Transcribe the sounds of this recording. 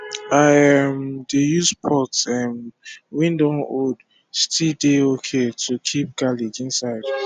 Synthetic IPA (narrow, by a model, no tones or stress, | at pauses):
aɪɛmdejuspʰɔtsɛmwĩndonod | stʰideokʰetʰukʰip̚ɡ̥alid͡ʒĩnsaɪd̥